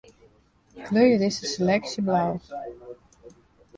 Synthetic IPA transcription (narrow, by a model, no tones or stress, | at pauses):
kʰløjədɪsəselɛksjəblaw